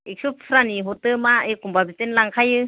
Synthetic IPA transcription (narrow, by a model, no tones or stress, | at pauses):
ik̚sup̚sʰɾaniɦɔtɯmaekumbabitenlaŋkʰajɯ